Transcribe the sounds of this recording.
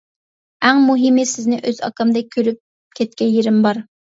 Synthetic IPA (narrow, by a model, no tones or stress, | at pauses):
æŋmuɦɪmɪsɪznɪʔøzɑ̰kɑmd̪ɨkʲʰøɾyp̚ | kʲʰɛt̪̚kʲɛnjeɾɪmbɑɾ